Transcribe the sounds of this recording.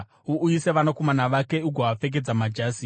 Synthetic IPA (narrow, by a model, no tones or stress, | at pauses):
uujise̞ʋanako̞manaʋake̞uɡʱaʋafe̞k̬e̞d͡zamad͡ʒaːsi